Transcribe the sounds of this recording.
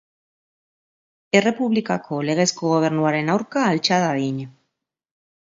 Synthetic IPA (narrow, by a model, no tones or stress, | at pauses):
ere̞puβlikakʰoleɣ̞eskoɣ̞oβ̞eɾnwaɾenawɾkaːlt͡ʃaðaðiɲa